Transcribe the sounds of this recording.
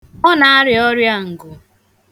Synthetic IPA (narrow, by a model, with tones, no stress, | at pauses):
ɔ˦na˨a˦ɾɪ˨ɔ˦ɾja˦ŋ̩˨ɡʊ˨